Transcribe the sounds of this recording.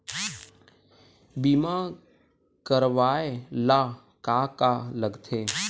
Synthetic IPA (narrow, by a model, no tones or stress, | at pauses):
bimã | kəɾʋaːela | kaːkaləɡt̪ʰeː